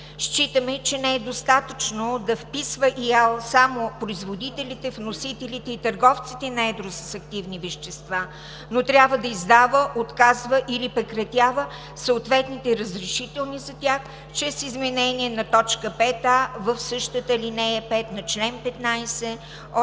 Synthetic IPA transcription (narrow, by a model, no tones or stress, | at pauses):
ʃt͡ʃit̪əmɛt͡ʃɛnɛɛd̪ost̪at̪ət͡ʃnod̪ɐfpisvəʔialˠsamopɾoizvod̪it̪ɛlit̪ɛfnosit̪ɛlit̪ɛit̪əɾɡɔft̪sit̪ɛnɐɛd̪ɾosə̥sɐk̚t̪ivnivɛʃt̪ɛst̪va | not̪ɾʲjabvəd̪ɐizd̪avəʔot̪kazvəʔilipɾɛkɾɐt̪ʲjavə | səot̪vɛt̪nit̪ɛɾəzɾɛʃit̪ɛlˠnizɐt̪ʲax | t͡ʃɾɛsizmɛnɛniɛnɐt̪ɔt͡ʃkəpɛt̪avəfsɤʃt̪ət̪əlinɛɛpɛt̪nɐt͡ʃlɛnpɛt̪najsɛ